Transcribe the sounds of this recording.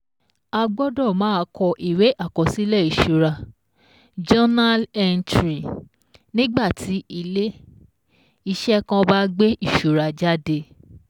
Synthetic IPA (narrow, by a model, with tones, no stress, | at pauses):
a˧ɡ͡bɔ˦dɔ˦˨mãː˨˦˧kɔ˧ʔi˨we˨˦ʔa˦˨kɔ̃˨si˨˦lɛ˦˨i˨ʃu˨ɾa˧ | d͡ʒɔ˦na˦lɛ˧ntɾi˨ | nĩ˦ɡ͡ba˦˨tʰi˨˦i˧le˦ | i˧ʃɛ˦kã˧ba˦ɡ͡be˦ʔi˦˨ʃu˨ɾa˧d͡ʒa˦de˧